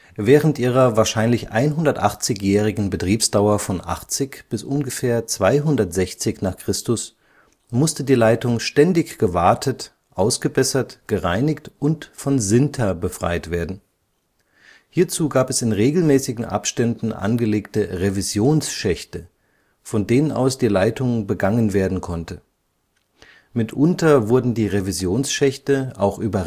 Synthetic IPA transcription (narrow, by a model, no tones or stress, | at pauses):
vɛːʁ̞əntʔiːʁ̞ɐvaːɐʃaɪnlɪçʔa̰ɪnɦʊndɐtʔaχt͡sɪçjɛːʁ̞ɪɡŋ̩bətʁ̥iːpsd̥aʊɐfɔnʔa̰χt͡sɪçb̥ɪsʔʊnɡəfɛːɐt͡sv̥aɪɦʊndɐtz̥ɛçt͡sɪçnaːχkʁ̥ɪstʊs | mʊstədiːlaɪtʊŋʃtɛndɪçɡ̥əvaɐtʰət | ʔaʊsɡ̥əbɛsɐtɡ̥əʁaɪnɪktʊntfɔnzɪntʰɐbəfʁ̥a̰ɪtv̥eːɐdn̩ | hiːɐt͡suːɡaːpɛsɪnʁeːɡl̩mɛːsɪɡŋ̩ʔa̰pʃtɛndn̩ʔa̰nɡəleːktəʁevizjoːnsʃɛçtə | fɔndeːnənʔa̰ʊsd̥iːlaɪtʊŋbəɡaŋənveːɐdn̩kʰɔntʰə | mɪtʰʔʊntɐvʊɐdn̩diːʁevizjoːnsʃɛçtəʔa̰ʊxʔyːbɐ